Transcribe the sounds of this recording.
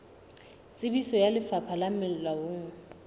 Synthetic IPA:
t͡sʼɪbisɔjalɪfapʰalamɛlawoːŋ̩

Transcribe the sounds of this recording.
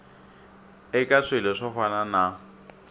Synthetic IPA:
ɪkʼaʂɪlɛʂɔfanana

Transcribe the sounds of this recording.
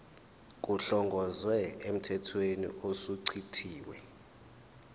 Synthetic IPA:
k̬ʼuɬɔŋɡʱɔzwɛem̩tʰɛtʰwenḭosuǀʰiǀʰiːwɛ̰

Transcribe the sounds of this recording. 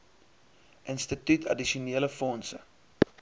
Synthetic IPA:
ʔənstətytʰɐ̰diʃiuneːləfɔnsə

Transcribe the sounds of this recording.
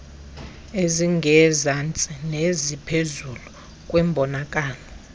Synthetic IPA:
eziŋɡʱɛzant͡sʼinezipʰezulu | kʼwɛmbʱɔnakʼaːlɔ

